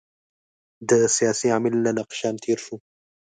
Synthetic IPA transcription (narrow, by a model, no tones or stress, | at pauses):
d̪əsijaːsiamɪlːanaqʃaːnt̪ʰiːɾʃu